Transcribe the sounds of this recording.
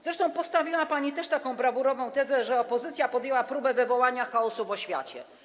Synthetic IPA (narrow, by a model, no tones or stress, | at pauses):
zɾɛʂt̪ɔ̃w̃pɔst̪avʲiwapaɲit̪ɛʂt̪akɔ̃w̃bɾavuɾɔvɔ̃w̃t̪ɛzɛʐɛɔpɔzɘt̪sʲjapɔd̪jɛwapɾubɛvɘvɔwaɲaxaɔsuvɔɕfʲja̰t͡ɕɛ̰